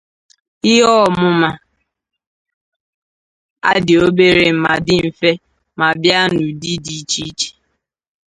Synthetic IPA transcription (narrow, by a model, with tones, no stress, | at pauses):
ɪ˦ɦɔ˦˨mʊ˦ma˨ | a̰˦dɪ˨o˦be˦ɾe˨˦ma˨dɪ˦m̩˨fe˦ | ma˨bja˦nu˨di˦di˦t͡ʃi˦t͡ʃe̥˨